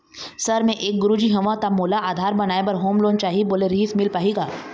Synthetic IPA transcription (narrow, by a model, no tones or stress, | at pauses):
sɐɾmẽʔeːk̚ɡʊɾud͡ʒiɦɐ̃ʋãt̪amoːlaaːd̪ʱaːɾbɐnaːebɐɾɦoːmloːnt͡ʃaːɦiboːleɾɦiːsmɪlpaːɦiːɡaː